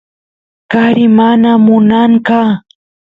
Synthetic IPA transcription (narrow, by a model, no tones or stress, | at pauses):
kaɾɪmanamʊnaɴka